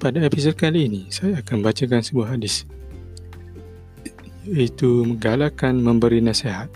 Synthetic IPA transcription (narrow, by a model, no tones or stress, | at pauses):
padaepisod̚kaliːnisajaːkanmbat͡ʃak̬ansəbuahɦadɪs | it̪uməɡalakanmə̃mbəɾinãseɦat̪̚